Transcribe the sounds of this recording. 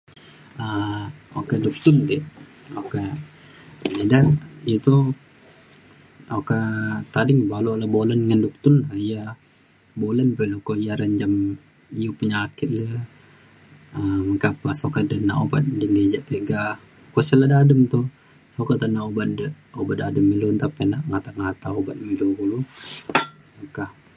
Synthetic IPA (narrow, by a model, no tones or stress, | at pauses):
əokɛduk̚t̪ʊnd̪i | oka | ədait̪u | okat̪adɪŋbalolabolənŋanduk̚t̪ʊnlahija | bolənpəlukojaɾaɲd͡ʒam | ijupuɲakɪt̪̚lə | əməkapasokadəna̰ʔobat̪̚dinɡed͡ʒaʔt̪eɡa | kɔsəladadəmt̪u | sokaənaʔobat̪̚də | obat̪adəmːilunt̪apenaʔŋat̪aŋat̪aobat̪̚miluɡulu | makah